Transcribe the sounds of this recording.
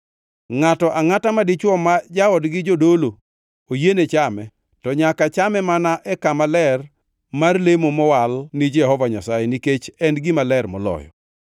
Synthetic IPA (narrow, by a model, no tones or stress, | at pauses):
ŋatɔʔaŋatamadɪt͡ʃwɔmad͡ʒaɔdɡɪd͡ʒodolo | ojenet͡ʃamɛ | tɔɲakat͡ʃamɛmanaʔɛkamalɛr | marlemomɔwalnid͡ʒɛhɔvaɲasajɛniket͡ʃɛnɡɪmalɛrmɔlɔ̰jɔ̰